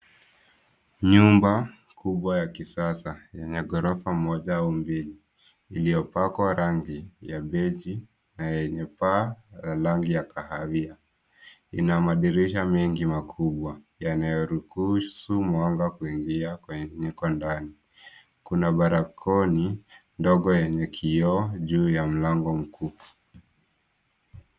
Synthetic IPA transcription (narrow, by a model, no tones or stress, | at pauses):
ɲumba | kuɓwajakisasajɛɲɛɡɔɾɔfamɔʄaaumbiliː | lijɔpakwaɾaŋɡijaɓɛd͡ʒi | najɛɲɛpaalaŋɡijakahavia | ḭnamaɗiɾiʃamɛŋɡimakʰuɓwajanajɔɾuhusumwaŋɡakuiŋɡiakwɛɲɛɲikɔndani | kunaɓaɾakʰɔnindɔɠɔjɛɲɛkʰiɔʄuːjam̩laŋɡɔm̩kʰuː